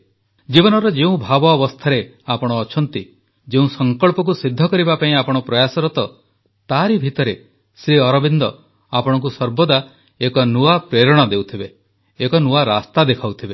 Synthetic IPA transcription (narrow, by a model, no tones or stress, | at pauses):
d͡ʒibɔnɔɾɔd͡ʒeũbʱabɔːbɔst̪ʰaɾe | apɔɽ̃ɔːt͡ʃʰɔnt̪i | d͡ʒeũsɔŋkɔɭpɔk̬usid̪ʱːɔkɔɾibapaĩapɔɽ̃ɔpɾɔjasɔɾɔt̪ɔ | t̪aɾibʱit̪ɔɾe | sɾiɔɾɔbind̪ɔ | apɔɽ̃ɔk̬usɔɾbɔd̪a | ekɔnuapɾeɾɔɽ̃ɔd̪ewt̪ʰibeː | kɔnuaɾast̪ad̪ekʰawt̪ʰibe